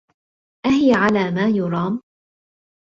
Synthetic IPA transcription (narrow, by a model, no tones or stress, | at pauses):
ʔahɪjaʕalaːmaːjʊɾˤɑːm